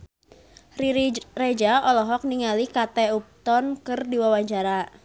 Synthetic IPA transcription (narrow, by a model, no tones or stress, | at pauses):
riɾred͡ʒaɔlɔɦɔk̚niŋalikat̪ɛup̚t̪ɔnkɨrdiwawaɲt͡ʃaɾa